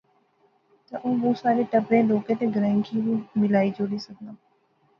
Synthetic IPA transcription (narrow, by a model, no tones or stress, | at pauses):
t̪əʔũːʋoːsaːɾeːʈəpɾẽːloːkẽːt̪eːɡəɾə̃ŋkiʋĩːmɪlaːid͡ʒoːɽiːsək̚d̪ãː